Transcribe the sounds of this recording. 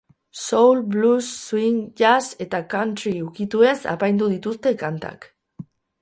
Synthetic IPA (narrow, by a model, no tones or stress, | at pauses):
sowlblusːwiŋʝase̞t̪akant̪ɾiukit̪ue̞sa̰pajnd̪uðit̪ust̪e̞kant̪a̰k